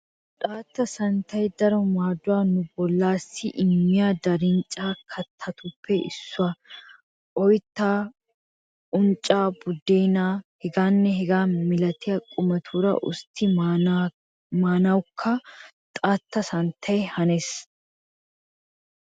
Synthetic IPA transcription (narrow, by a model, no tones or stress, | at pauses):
t̪ʼaːt̪ːɐsɐnt̪ːɐjd̪ɐɾɔmaːd̪ʊwaːnʊbɔlːaːsːɪʔɪmːɪjaːd̪ɐɾɪnt͡ʃʼːaːkʰɐt̪ʰːɐt̪ʊpʰːɛʔɪ̰sːʊɐ | ʔɔjt̪ːaː | ʊnt͡ʃʼːaːbʊd̪ːejnaːhɛɡaːnːɛɦɛɡaːmɪlɐt̪ɪjɐkʼʊmɐt̪ʰuːɾɐ̰ʔʊ̰st̪ʰːɪ | maːnɐwkʰːɐ | t̪ʼaːt̪ːɐsɐnt̪ʰːɐjhɐnes